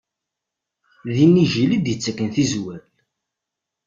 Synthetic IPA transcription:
ðinːiʒilid̪jət͡sːəkːənθizwæl

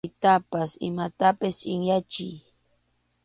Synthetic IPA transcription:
t̪apasɪ̰mat̪apɪst͡ʃʼɪŋjat͡ʃɪ̰j

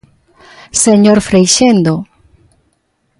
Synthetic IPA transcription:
seɲoɾfɾejʃend̪o

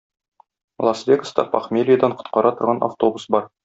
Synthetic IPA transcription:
vlˠasvʲekə̥st̪ɑpɑ̰χmʲelʲɪjəd̪ɑɴqŏ̥t̪̚qɑɾɑt̪ŏɾʁɑnʔa̰ft̪o̞busbɒɾ

